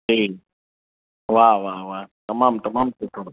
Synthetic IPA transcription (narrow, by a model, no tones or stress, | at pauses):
i | waʋaːʋaːt̪ɐmaːmt̪ɐmaːmset̪ʰo